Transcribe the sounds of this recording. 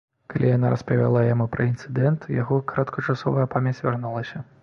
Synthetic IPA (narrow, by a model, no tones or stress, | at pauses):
kalʲijanaɾɐspɐvʲa̰lˠajamupɾɐint̪sɨd̪ɛnt̪jaɣɔkɾɐt̪kɐt͡ʂasɔvɐjɐpamʲɐt͡sʲvʲarnulˠɐsʲɐ